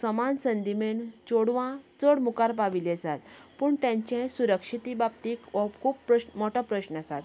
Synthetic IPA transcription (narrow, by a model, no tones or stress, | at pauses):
səmansənd̪imeɳt͡soɽʋãt͡səɽmukaɾpaʋilesat̪puːɳt̪jãɲt͡ɕẽsuɾəkʂit̪ibap̚t̪iːkkʰuːpːəɕmɔʈɔpɾəɕnasat̪